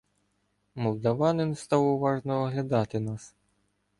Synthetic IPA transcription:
mɔlˠd̪ɐʋɑnɪnst̪ɑwʊʋɑʐnɔɔɦlʲɐd̪ɑt̪ɪnɑs

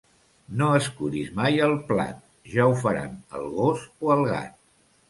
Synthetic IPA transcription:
noəskuɾizmajəlˠpla̰t̪̚ | ʒaufəɾa̰nə̰lˠɣosoəlˠɣa̰t̪̚

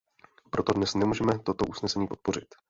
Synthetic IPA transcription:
pɾo̞t̪odnɛsnɛmuːʒɛmɛt̪o̞t̪oʔusnɛsɛɲiːpo̞t̪̚po̞r̝ɪt̪

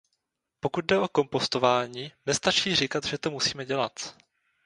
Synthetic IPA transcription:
po̞kud̪̚dɛo̞ko̞mpo̞st̪o̞vaːɲiːnɛst̪at͡ʃiːrɪkat̪ʒɛt̪o̞musiːmɛɟɛla̰t̪

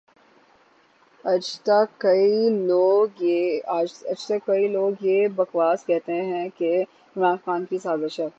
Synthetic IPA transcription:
ɐt̪akːɐioːɡaːd͡ʒɐd͡ʒt̪ɐkːɐiloːɡjebɐxʋaːskɛɦt̪eɦɛ̃ke | ɪmɾaːnxaːnkisaːzəʃɛː

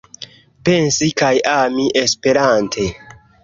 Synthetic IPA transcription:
pe̞nsikajamiʔe̞spe̞ɾantʰe̞

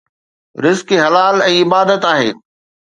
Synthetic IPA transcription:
ɾɪzkeɦɐlaːlɛ̃ːɪbaːd̪ət̪aːɦḛː

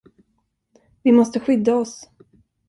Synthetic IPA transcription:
vɪmɔst̪əɧʏd̪ːaɔs

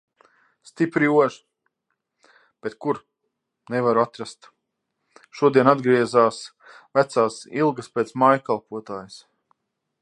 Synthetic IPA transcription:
st̪ipɾiuɔʒ | b̥et̪kuɾ | nɛvaɾuat̪ɾast̪ | ʃuɔd̪iɛnad̪ɡɾiɛzaːs | væt̪saːsilˠɡɐspʲɛːt̪smajkalˠpuɔt̪aːjɪs

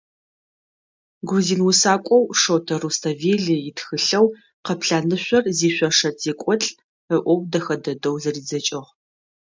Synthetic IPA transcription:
ɡʷuziːnwʊsaːkʷʼɔwʂowtʰɐruːstʰaveːɮɨjɪtxɨɬɐw | qɐpɬaːnɨɕʷɔrziːɕʷɔʂɐtʰeːkʷʼɔɬʼ | əʔʷɔwdɐxɐdɐdɐwzɐriːd͡zɐt͡ʃʼɪʁ

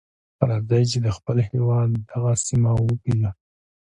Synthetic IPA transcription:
aɾɑzajt͡ʃed̪əxpəlhewɑd̪ːaɣasimawəpila

